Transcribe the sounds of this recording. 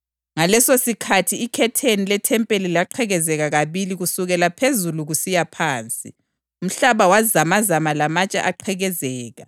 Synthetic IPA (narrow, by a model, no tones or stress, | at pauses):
ŋalɛsosikʰatʰiːkʰɛtʰenilɛtʰɛmpʼelilaǃʰɛɣɛzɛɣaɣaβiliɣusuɣɛlapʰezuluɣusijapʰaːnt͡sʼḭ | um̩ɬaβawazamazamalamat͡ʃʼa̰ʔaǃʰɛɣɛzɛːɣa